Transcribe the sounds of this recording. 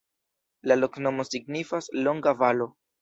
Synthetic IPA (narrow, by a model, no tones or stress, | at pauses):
lalo̞kno̞mo̞siɡnifaslo̞ŋɡavalo̞